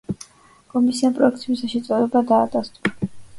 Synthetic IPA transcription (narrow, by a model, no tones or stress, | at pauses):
kʼɔmisianpʼɾɔɛk̚t̪sʰibisaʃɛt̪sʼɔlɛbad̪aːd̪ast̪ʼua